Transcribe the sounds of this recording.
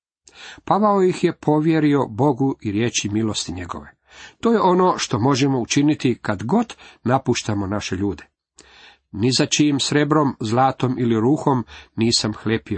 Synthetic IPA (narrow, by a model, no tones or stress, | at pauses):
paʋaojixje̞pʰo̞ʋje̞ɾio̞bo̞ɡuʔiɾje̞ːt͡ʃimilo̞st̪iɲe̞ɡo̞̰ʋe̞ | t̪oːje̞ʔo̞no̞ːʃt̪o̞mo̞ʒemo̞ut͡ʃinit̪ikad̪ɡo̞d̪napuʃt̪amo̞naʃe̞ʎuːd̪e | nizat͡ʃiimsɾe̞bɾo̞mzlˠaːt̪o̞miliɾuːxo̞mniːsamxlepio